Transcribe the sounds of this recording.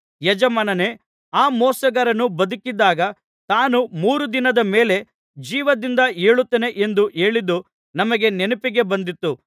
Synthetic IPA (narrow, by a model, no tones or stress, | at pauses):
jɐd͡ʒɐmɐnɐne | aːmɔːsɐɡɐɾɐnːubɐd̪ukid̪ːaːɡɐ | t̪aːnumuːɾud̪inɐd̪ɐme̞ːle̞ | d͡ʒiːʋɐd̪ind̪ɐe̞ːɭut̪ːene̞ʔend̪uʔe̞ːɭid̪ːu | nɐmɐɡe̞nenupiɡe̞bɐnd̪it̪ːu